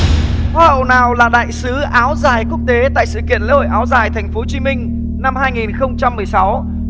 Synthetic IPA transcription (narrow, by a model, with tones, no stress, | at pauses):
hwaː˧hə̰˧˨wnaː˨˩wlaː˨˩ɗa̰ː˧˨jsɨ˨˦ʔaː˨˦wzaː˨˩jku˦˥ək̚t̪e˨˦t̪a̰ː˧˨jsɨ̰˧˨kḭ˧˨ənlə̰˧˥jho̰˧˨jʔaː˨˦wzaː˨˩jt̪ʰɛ˨˩jŋ̟fo˨˦t͡ɕi˨˦mï˧ŋ̟ | na˧mhaː˧jŋi˨˩nxə˧wŋ͡mt͡ɕa˧mːɨ˨˩əjsa˨˦w